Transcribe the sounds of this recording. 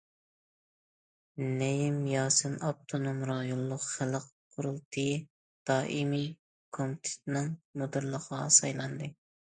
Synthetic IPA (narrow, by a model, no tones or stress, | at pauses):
nejimjɑːsɨnɑp̚t̪ʰonomɾɑjolˠːʊqχælˠqqʰːʊɾulˠt̪ʰɨ | d̪̥ɑːʔimi | kʰomt̪ʰɪ̥t̪̚nɪŋmud̪ɨɾlˠəqɑsɑjlˠɑnd̪ɨ